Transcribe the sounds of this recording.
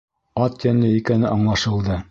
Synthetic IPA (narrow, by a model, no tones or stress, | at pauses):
ɑt̪jænlɘikænɘʔɑɴlˠɑʃɤ̆lˠd̪ɤ